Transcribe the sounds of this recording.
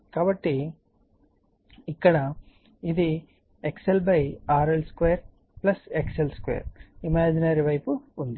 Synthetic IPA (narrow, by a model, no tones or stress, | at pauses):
kaːbɐʈːi | ikːɐɽɐ | id̪i | ekselbɐjaːɾelskʋeːjɐɾ | plɐsekselskʋḛːɐ̰ɾimaːd͡ʒinɐɾiʋɐjpuːnd̪i